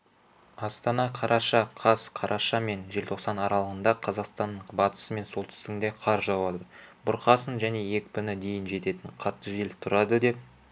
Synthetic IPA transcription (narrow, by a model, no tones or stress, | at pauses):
ɑst̪ɑnɑqʰɑɾʔɑʃɑqʰɑsqʰɑɾʔɑʃɑme̞nʒe̞lt̪ʰoqsɑnɑɾɑlˠəʁənd̪ɑqʰɑzɑqst̪ɑnːəɴbɑt̪ə̥səme̞nso̞lˠt̪ʰɪ̥st̪ɪŋd̪e̞qʰɑɾʒɑwɑd̪əbʊɾqɑsənʒæne̞je̞kʲpɪnɪd̪e̞jɪnʒe̞t̪e̞t̪ɪɴqʰɑt̪ːəʒelt̪ʰʊɾɑd̪əd̪e̞p̚